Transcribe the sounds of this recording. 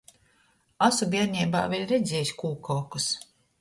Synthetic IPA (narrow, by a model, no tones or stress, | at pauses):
asubʲiɛɾɲʲɛːba̰ːvʲilʲɾɛd̪zʲɛːjisʲkuːkɔːkus